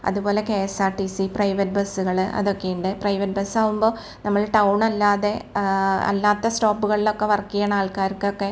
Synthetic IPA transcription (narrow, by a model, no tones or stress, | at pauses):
ɐ̰ðupo̞ːle̞keːsaːʈisiprɐjʋɐt̚bɐsːuɣɐɭɨʔɐ̰ðo̞kːejuɳɖɨprɐjʋɐt̚bɐsːaːɣumbo̞ː | nɐmːɐɭʈɐwɳɐlːaːðe̞ | ɐ̰lːaːt̪ːɐsʈo̞ːpːuɣɐɭilo̞kːe̞ʋɐrɐkːijanaːɭkaːɾkːokːe̞